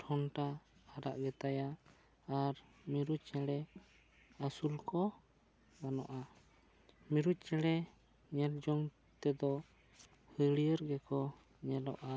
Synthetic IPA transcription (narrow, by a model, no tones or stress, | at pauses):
ʈʰɔnʈaːɾa̰ʔɡɛt̪ajaː | ɾmiɾut̪̚t͡ʃɛlɛ | asulkɔ | ɡanɔ̰ʔa | miɾut̪̚t͡ʃɛɽɛ | ɲɛɾd͡ʒɔŋ | t̪ɛd̪ɔ | həlijəɾɡɛkɔ | ɲɛlɔ̰ʔa